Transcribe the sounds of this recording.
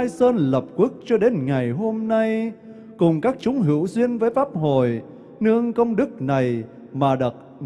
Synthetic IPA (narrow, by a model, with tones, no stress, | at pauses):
jsəː˧nlə˨˩p̚kwʊ˦˥k̚t͡ɕɔ˧ɗe˨˦nŋa˨˩jɦo˧mna˧j | kʊ˨˩ŋ͡mkaː˦˥k̚t͡ɕʊ˨˦ŋ͡mɦɨ̰˧˥əwzwi˧ənvəː˨˦jfaː˦˥p̚ho̰˧˨j | nɨ˧əŋkə˧wŋ͡mɗɨ˦˥k̚na˨˩j | maː˨˩ɗɨ˨˩t̚